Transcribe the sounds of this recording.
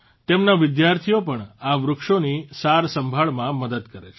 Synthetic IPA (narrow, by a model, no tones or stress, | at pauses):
t̪emnaʋɪd̪jaɾt̪ʰiopəɳaʋɾʊkʃonisaɾsəmbʱaɭmãməd̪əd̪kəɾet͡ʃʰ